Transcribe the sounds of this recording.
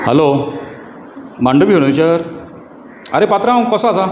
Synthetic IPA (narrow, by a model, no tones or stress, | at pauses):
həlo | maɳɖəbioɽ̃ut͡ɕəɾ | əɾepat̪ɾãwkəsaːsa